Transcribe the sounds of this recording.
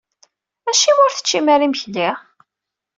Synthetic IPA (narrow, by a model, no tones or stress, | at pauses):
æʃimʊɾθə̥t͡ʃːimæɾimçli